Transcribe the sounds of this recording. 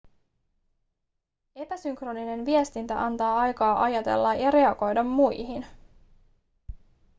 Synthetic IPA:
e̞pæsyŋkro̞nine̞nʋiest̪int̪æ̰ʔɑnt̪ɑːɑjkɑːʔɑjɑt̪e̞̰lːɑjɑɾe̞ɑɡo̞jdɑmːujɦin

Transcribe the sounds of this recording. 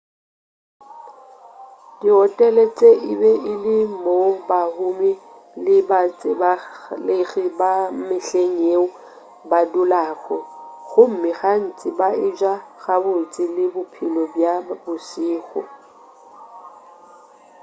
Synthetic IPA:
diɔtʼɛlet͡sʼeʔɪbɛʔɪlɪm̩mobahʊmɪ | lɪbat͡sʼɪbalɪɣɪbamɪɬeŋ̩eʊ | badʊlaːɣɔɣʊm̩mɪɣan̩t͡sʼɪbaɪd͡ʒwaɣabʊt͡sʼɪlɪbʊpʰilɔbjabʊsiːɣɔ̰

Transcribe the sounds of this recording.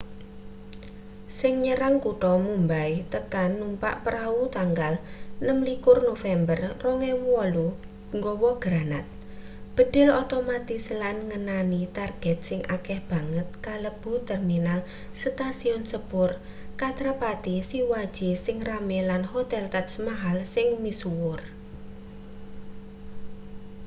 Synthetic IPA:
sɪŋɲəɾaŋkuʈɔmumbait̪əkanːumpa̰ʔpəɾaut̪aŋɡalnəmlikʊrnofɛmbərrɔŋɛɔlu | ŋɡɔwɔɡ̥ɾanat̪̚ | b̥ə̤ɖ̥ɪ̤lot̪omat̪ɪslanŋənanit̪arɡ̥ɛt̪̚sɪŋʔa̰kɛhb̥a̤ŋət̪̚kaləb̥ṳt̪ɛrminal | st̪asiɔnsəpʊr | kat̪ɾapat̪isiwad̥ʒ̥isɪŋramɛlanhot̪ɛlt̪asmaɦalsɪŋmisuwʊr

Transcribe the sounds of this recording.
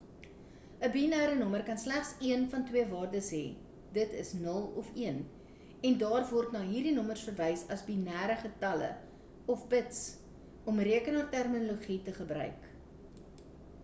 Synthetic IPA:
əbinæːɾənɔmərkɐnslæχsiənfɐntwiəvɑːrdəsɦɛ̰ː | dətəsnəlˠɔfiən | ɛndɑːrvɔrtnɑːɦiːrdinɔmərsfərvɛjsɐsbinæːɾəχətɐlə̰ | ɔfbəts | ɔmriəkənɑːrtærmiloχitəχəbɾœ̰ɥk

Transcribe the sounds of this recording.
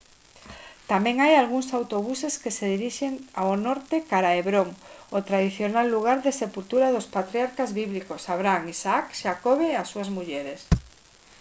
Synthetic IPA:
t̪amɛ̃ŋajalɣuŋsawt̪oβ̞useskeseðiɾiʃeŋaonɔɾt̪ekaɾaeβɾoŋot̪ɾað̞iθjonalːuɣ̞aɾðesepult̪uɾaðospat̪ɾiaɾkazβiβlikosaβɾaŋisaakʃakoβeasuazmuʎeɾes

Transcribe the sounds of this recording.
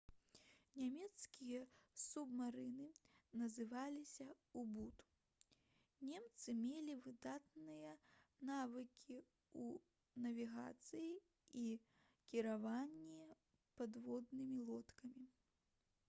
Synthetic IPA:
nʲamʲɛt̪skʲijɐsubmaɾɨnɨnɐzɨvalʲisʲɐ | ubut̪ | nʲemt̪sɨmʲelʲivɨd̪at̪̚nɨjɐnavɨkʲʰi | u | nɐvʲiɣa̰t̪sɨji | i | kʲiɾavanʲːɛ | pad̪vɔd̪nɨmʲilˠɔt̪kɐmʲi

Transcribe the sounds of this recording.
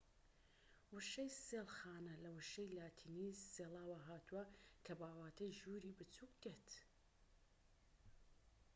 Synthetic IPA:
wɨʃejseːlˠxaːnɐlɐwɨʃɐjlaːt̪ʰiːniːseːlaːwaɦaːt̪ʰuwɐkʰɐbaːwaːt̪ʰɐjʒuːɾiːbɨt͡suːk̚d̪et̪

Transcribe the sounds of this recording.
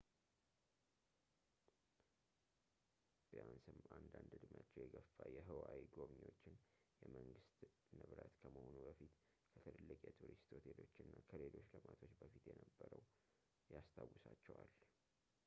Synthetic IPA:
b̥iansɨmand̪and̪ɨd̪mjat͡ʃːɛwjɛɡəfːajɛɦɨwawiɡo̞βɲwo̞t͡ʃːɪnjɛməŋɡɨst̪ | nɨβɾət̪kʰəməhonubəfit̪ | kʰət̪ʰəlɨlːɨkʼjɛt̪ʰuɾist̪ot̪ʰelo̞t͡ʃːɪnːakʰəle̞lo̞t͡ʃːləmat̪ʰo̞t͡ʃːbəfit̪jɛnəbːəɾəw | jast̪ʰawusat͡ʃːɛwal

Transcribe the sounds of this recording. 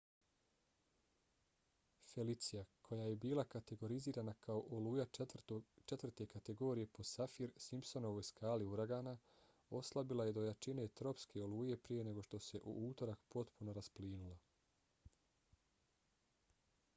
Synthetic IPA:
fe̞lit̪sijakʰo̞jaːje̞biːlˠakat̪eɡo̞ɾiziːɾanakʰaoʔoluːja | t͡ʃe̞t̪vr̩t̪e̞kat̪e̞ɡo̞ːɾije̞po̞safiɾsimpso̞no̞ʋojskaːliuɾaɡaːna | o̞slˠabilaje̞d̪o̞jat͡ʃine̞t̪ɾo̞pskʰe̞o̞luːje̞pɾije̞ne̞ɡo̞ʃt̪o̞se̞ʔṵʔuːt̪o̞ɾakpo̞t̪puno̞ɾaspliːnulˠa

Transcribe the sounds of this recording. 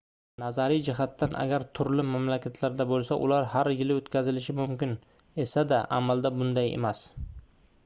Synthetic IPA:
nazaɾijd͡ʒɪɦat̪ːanʔa̰ɡʲaɾt̪ʰʊɾlɪmamlakʲʰat̪ʰlaɾd̪abolˠsaʔʊ̰laɾhaɾjɪlɪot̪kʲazɪlɪʃɪmʊmkʲɪne̞sad̪aʔa̰mald̪abʊnd̪ajḛmas

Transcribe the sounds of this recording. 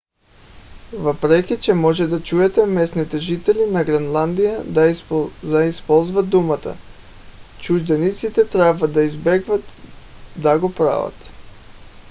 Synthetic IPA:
vapɾɛkʲit͡ʃɛmɔʒɛd̪at͡ʃuɛt̪ɛmɛsnit̪ɛʒit̪ɛlinaɡɾɛnlˠand̪ija | aispɔlˠzvat̪̚d̪umat̪a̰ | t͡ʃuʒd̪ɛnit̪sit̪ɛt̪ɾabvad̪aizbɛɡvat̪d̪aɡɔpɾa̰va̰t̪

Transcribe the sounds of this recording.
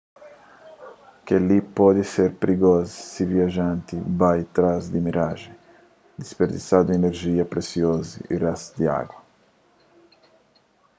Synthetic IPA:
kelipɔd̪iseɾpɾiɡɔzisiviaʒãnt̪ibajt̪ɾazd̪imiɾaʒi | d̪ispeɾd̪isad̪ueneɾʒiɐpɾesjozḭirasd̪ia̰ɡwɐ

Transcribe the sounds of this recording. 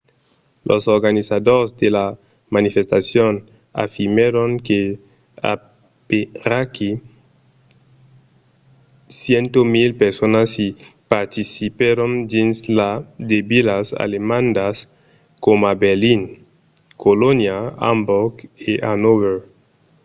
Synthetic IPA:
lʔo̰soɾɣanisaðoɾsd̪ela | manifest̪asjon | a̰fiɾmeɾoŋke | a̰ | peraki | sjent̪omilpeɾsonasipaɾt̪isipeɾond̪inslad̪ebilasa̰lemãnd̪as | komabeɾlin | kolonjaa̰mbokeʔanoβeɾ

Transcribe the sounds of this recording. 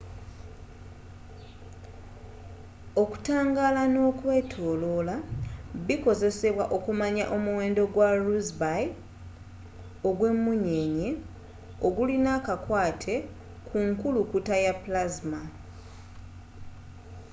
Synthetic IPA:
o̞ku̥taːŋɡaːlano̞ːkwe̞ːtʰo̞ːlo̞laβiko̞ze̞se̞βwaʔo̞kumaɲa̰ʔo̞muwe̞ːndo̞ɡwaɾuzbaj | o̞ɡwe̞mːuɲe̞ɲe̞ | o̞ɡulinakakwaːtʰe̞ | kʰuŋkulukutajaplazma

